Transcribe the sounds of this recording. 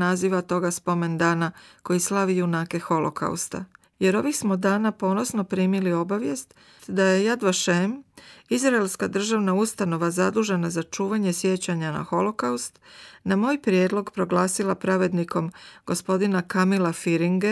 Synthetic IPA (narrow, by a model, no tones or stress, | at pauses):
naziʋat̪o̞ɡaspo̞me̞nd̪aːnako̞jislˠaʋijunaːke̞xo̞lo̞̰kʰa̰ṵst̪a̰ | je̞ɾo̞ʋixsmod̪aːnapo̞ːno̞sno̞pɾiːmilio̞baʋje̞st̪ | t̪d̪aje̞jad̪ʋaʃemizɾaelskad̪r̩ʒaʋnaust̪ano̞ʋazad̪uːʒe̞nazat͡ʃuːʋaɲe̞sje̞t͡ɕaɲana̰xo̞lo̞kaust̪namo̞ːjpɾjeːd̪lˠo̞ɡpɾo̞ɡlˠaːsilapɾaʋe̞d̪niko̞mɡ̥o̞spo̞d̪inakamilafiɾiŋɡe